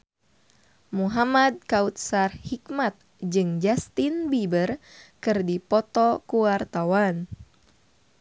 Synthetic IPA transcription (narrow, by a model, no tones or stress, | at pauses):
muɦamad̪̚kaut̪̚sarhhikmat̪̚ | d͡ʒɨŋd͡ʒast̪inbibərkɨrdipɔt̪ɔkuwart̪awan